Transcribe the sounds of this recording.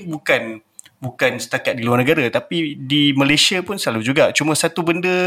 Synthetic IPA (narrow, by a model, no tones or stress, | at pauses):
bukan | bukansə̥t̪akat̪̚diluarnəɡaɾat̪apidimãlajsiapʊnsəlalud͡ʒuɡat͡ʃumə̃sat̪ubəndə